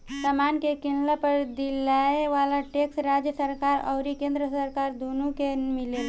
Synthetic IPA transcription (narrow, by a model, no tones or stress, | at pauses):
səmankekinlapəɾd̪ilaeʋalaʈeksɾad͡ʒjəsəɾkaɾə̰ʊɾikẽnd̪ɾəsəɾkaɾd̪onukemilel